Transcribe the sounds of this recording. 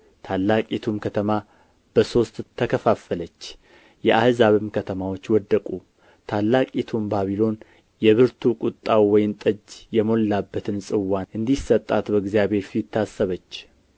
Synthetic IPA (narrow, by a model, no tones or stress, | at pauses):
t̪ʰalːakʼit̪ʰumkʰət̪ʰəma | b̥əso̞st̪ʰːəkʰəfafələt͡ʃː | jɛʔahzaβɨmkʰət̪ʰəmawo̞t͡ʃːwɔd̪ːəkʼu | t̪ʰalːakʼit̪ʰumbaβilo̞n | jɛβɨɾt̪ʰukʼut̪ʼːawːɔjɪnt̪ʼəd͡ʒjɛmo̞lːabːət̪ʰɨnsʼɨwːaʔɨnd̪isət̪ʼːa̰t̪bəɡzjaβe̞ɾfiɪt̪ʰːasːəβət͡ʃː